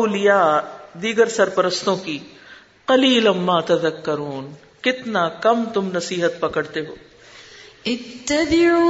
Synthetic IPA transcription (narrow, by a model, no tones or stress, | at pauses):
olijaːd̪iːɡəɾsɐɾpɐɾəst̪õki | qɐliːlɐmːaːt̪ɐðɐkːɐɾuːn | kɪt̪nakɐmt̪ʊmnɐsiːɦət̪̚pɐkəɽt̪eɦoː | ɪt̪ːɐdi